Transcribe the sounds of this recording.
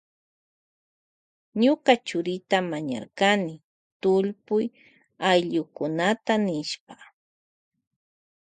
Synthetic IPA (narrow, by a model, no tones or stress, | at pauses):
ɲʊkat͡ʃʊɾɪt̪amaɲa̰ɾkanɪ | t̪ʊʎpʊj | ajʎʊkʊnat̪anɪʃpa